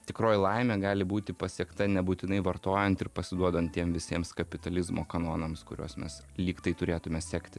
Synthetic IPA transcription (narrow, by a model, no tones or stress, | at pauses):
t̪ʲɪkɾoːjɪlˠɐɪmʲɛːɡɑːlʲɪbuːt̪ʲɪpɐsʲiɛkt̪ɐnʲɛbuːt̪ʲɪnɐɪʋɐrt̪oːjɛnt̪ɪrpɐsʲɪd̪uɔd̪oːnt̪t̪ʲiɛmʋʲɪsʲiɛmskɐpʲɪt̪ɐlʲɪzmo̰ːkɐnoːnɐmskʊ̰ɾʲo̰ːsmʲɛs | lʲiːkt̪ɐɪt̪ʊɾʲeːt̪ʊmʲɛsʲæːkt̪ʲɪ